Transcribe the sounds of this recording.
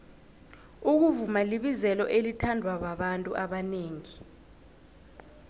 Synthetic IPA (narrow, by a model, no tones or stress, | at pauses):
uk̬uvumaliɓizɛlɔ̰ʔelitʰandʱwaɓaɓantʼuʔaɓaneːŋi